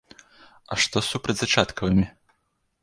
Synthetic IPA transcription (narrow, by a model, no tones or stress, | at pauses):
ɐ̰ʂt̪ɔsupɾɐdʲd͡zʲzɐt͡ʂat̪kɐvɨmʲi